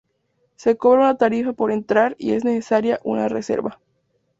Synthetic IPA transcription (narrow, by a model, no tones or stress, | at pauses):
se̞ko̞βɾaunat̪aɾifapo̞ɾe̞nt̪ɾaɾḭe̞zne̞se̞saɾjaʔunarese̞̰ɾβa